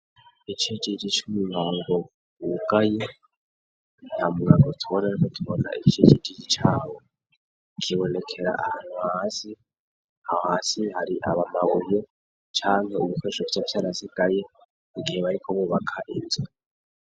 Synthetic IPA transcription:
it͡ʃʰit͡ʃʼit͡ʃʼit͡ʃumiβaːŋɡo | wuɡaje | nhamuŋakʰotʰuβonaɾikʰotʰuβona̰it͡ʃʰit͡ʃʼit͡ʃʼit͡ʃit͡ʃʰaːwo | kʰiβonekʰeɾa̰ʔahaːn̥uhaːsi | hahohaːsihaɾiʔa̰βamaβoje | t͡ʃʰaːŋheuβukʰweʃoβt͡ʃafjaɾasiɡʼaje | iɡieβaɾikʰoβuβakʰaʔinze

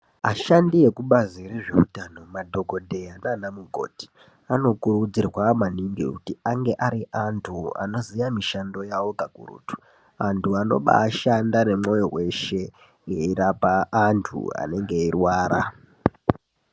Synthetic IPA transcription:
a̰ʃandije̞kuɓazireʐeutano̞madʱo̞ɡʱo̞dʱe̞jananamuɡʱo̞̰ti̥ | ano̞kuɾud͡zirwamaniŋɡikutiaŋɡe̞ʔaɾiʔantʰua̰no̞zijamiʃando̞jawokakṵrṵtu̥ | antʰuano̞̰ɓa̰ːʃandane̞mo̞jowe̞ʃe̞ | ŋɡe̞iɾapaːntʰṵa̰ne̞ŋɡe̞irwaːɾa

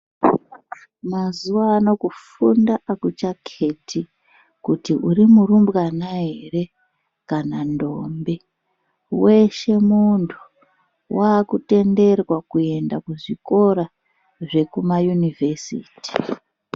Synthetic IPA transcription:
mazuwaːno̞kufundaʔakut͡ʃakʰe̞tʰi | kutiʔuɾimurumbwanaɦere̞ | kanandombe | we̞ʃe̞muntʰu̥ | waːkute̞nde̞rwakue̞ndakuʐiko̞ɾa | ʐe̞kumajunive̞sḭːti̥

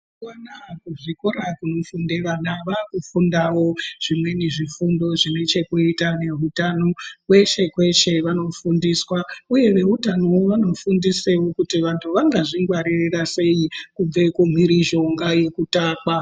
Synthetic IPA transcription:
wanakuʐikoɾakuno̞fundeʋanaʋakufundawo̞ʐ̥imwe̞ne̞ʐifundo̞ʐine̞t͡ʃe̞kuitane̞ɦutano̞kwe̞ʃe̞kwe̞t͡ʃe̞ʋano̞fundiswauje̞ʋe̞ɦutanoʋano̞fundise̞wo̞kutiʋantʰuʋaŋɡaʐiŋɡwaɾirirase̞jikub͡ve̞kum̤iɾiʒo̞ŋɡaje̞kutaːkwa

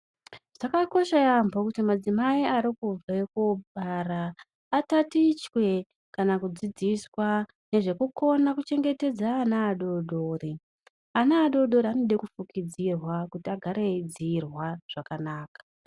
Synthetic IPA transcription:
ʐ̥akako̞ʃajambokutimad͡zimaiaɾikub͡vakoɓaraː | tatit͡ʃwe̞ | kanakud͡zid͡ziswa | ne̞ʐe̞kuko̞nakut͡ʃe̞ŋɡe̞te̞d͡zaːnaːɗo̞ɗo̞ːre | anaːɗo̞ɗo̞ɾeanoɗekufukid͡zirwakutiaɡʱaɾed͡ziːrwaʐ̥akanaːkḁ

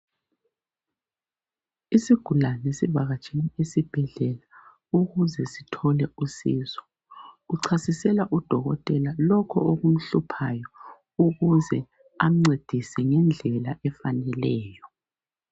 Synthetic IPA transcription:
isiɡ̥ʱulanesiβaɣat͡ʃʼiniesib̥ʱɛɮɛla | uɣuzɛsi̥tʰɔlɛusḭːzɔ̥ | uǀʰasisɛlaʔud̥ʱɔɣɔ̰tʼɛlalɔkʰɔ̰oɣum̩ɬupʰajɔ | uɣuzɛ | am̩ŋ͡ǀed̥ʱisɛŋɛnd͡ɮʱɛlaʔɛfanɛlɛːjɔ

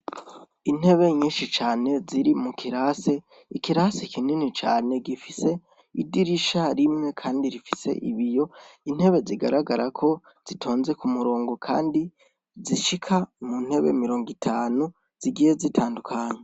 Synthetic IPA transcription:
in̥he̞βe̞ɲiːnʃit͡ʃaːne̞ziɾimukʰiɾase̞ | ikiɾasekʰininit͡ʃaːne̞ɡifise̞ | idiɾiʃaɾimŋe̞kʰaːndiɾifise̞̰ʔḭβijo̞in̥he̞βe̞ziɡaɾaɡaɾakʰo̞ | z̥itʰo̞ːnze̞kumuɾoːŋɡokʰa̰ːndi | ziʃikʰamun̥he̞βḛmiɾo̞ːŋɡitʰaːnu | z̥iɡije̞zitʰaːndukʰaːɲe

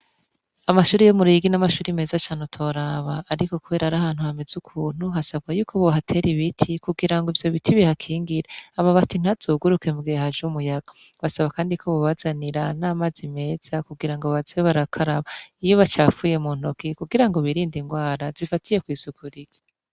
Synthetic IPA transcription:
amaʃuːɾejomuɾiɡinamaʃuːɾime̞ːzat͡ʃaːnutʰo̞ɾaβaːɾiko̞kuβe̞ːɾaɾahaːn̥huhamezukʰuːn̥huɦasab̚ɡajuːkʰoβoɦatʰe̞ɾiβitʰikuɡiɾaŋɡoivjo̞βitʰiβihakʰiːŋɡiɾeaβaβatin̥haz̥oːɡuɾuke̞mɡehad͡ʒumujaɡ̥o | βasaβakaːndikʰo̞βuβazaniɾanaːmazime̞ːz̥akuɡiɾaŋɡoβazeβaɾakʰaɾaβaijo̞βat͡ʃaːfuːje̞muːn̥okikuɡiɾaŋɡo̞βiɾiːndiŋɡwaːɾazifatije̞kwiːsukʰuɾiɡ̥i

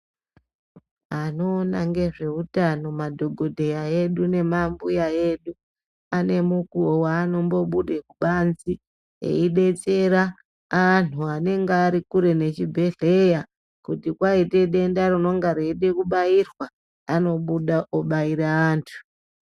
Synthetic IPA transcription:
ano̞ːnaŋɡe̞ʐe̞utano̞madʱo̞ɡʱo̞dʱejae̞ɗune̞mambujae̞ɗu | ane̞mukuowaːno̞mbo̞ɓuɗekuɓanzi | ḛiɗe̞t͡se̞ɾaː | n̤uane̞ŋɡaːɾikuɾe̞ne̞t͡ʃibʱe̞ɮeja | kutikwaite̞ɗe̞ndaruno̞ŋɡaɾe̞ɗekuɓairwa | ano̞ɓuɗaʔoɓaiɾaaːntʰu̥

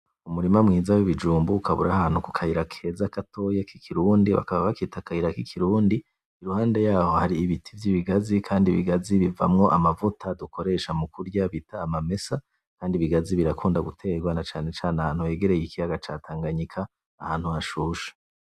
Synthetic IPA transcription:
umuɾimamŋiːzawiβid͡ʒuːmbuːkʰaβṵɾahan̥huku̥kʰahiɾakʰe̞ːzakato̞jakikʰiɾuːndiβa̰kaβaβakitakahiɾakikʰiɾuːndi | iɾuhaːnde̞jaːho̞haɾiːβitʰivjiβiɡazikʰaːndiβḭɡaziβiva̰mŋo̞ʔamavutʰadukʰo̞ɾe̞ʃamukuɾɟaβitaːmame̞sa | kaːndiβiɡaziβiɾakʰuːndaɡutʰeɡwanat͡ʃaːne̞t͡ʃaːnahanhuwe̞ːɡe̞ɾe̞jikijaɡat͡ʃatʰaːŋɡaɲikʰaː | haːn̥huaʃuːʃḁ

